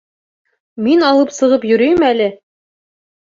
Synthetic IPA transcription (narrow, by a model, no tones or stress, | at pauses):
minɒlˠɤpsɤ̆ʁɤpjɵ̆ɾɵjɘmælɘ